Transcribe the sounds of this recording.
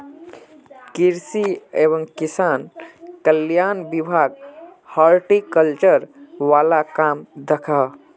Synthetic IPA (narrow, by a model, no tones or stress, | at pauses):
kiɾsiebəŋkisankəljanbibʱaɡhaɾʈikəlt͡ʃəɾʋalakamd̪əkʰa